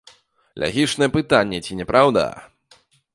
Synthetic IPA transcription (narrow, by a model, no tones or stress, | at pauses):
lʲa̰ɣʲit͡ʂnɐjɛpɨt̪anʲːɛt͡sʲinʲɛpɾʔawd̪ɐ̰